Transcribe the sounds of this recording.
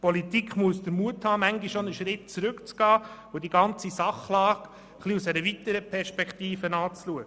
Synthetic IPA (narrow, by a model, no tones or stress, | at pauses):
pɔlit̪ikχmuəsd̥̪əɾmuəthɑːmæŋɡiʃonəʃɾɪt̚t͡sɾʉkt͡sɡ̥ɑː | ʊdiɡɑnt͡sisɑχlɑːk | χliusɛɾəvit̪əɾəpʰɛɾʃpɛktiːfənɑːt͡sluəɡə